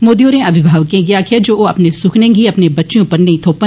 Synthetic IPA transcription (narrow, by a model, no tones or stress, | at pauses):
moːd̪ioːɾẽɐbʱɪbʱaːʋkẽɡɪjakʰed͡ʒoːoɐpnesʊkʰnẽɡiɐpnebɐtːʃjõːpɐɾnɐ̃ĩt̪ʰoːpə